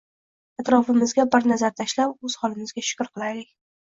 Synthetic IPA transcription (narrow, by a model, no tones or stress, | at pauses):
at̪ɾɒfɪmɪzɡʲabɪɾnazaɾt̪ʰaʃlapɵz̥hɒlˠɪmɪzɡʲaʃʊ̥kʲɾqʰɨlˠajlɪkʲ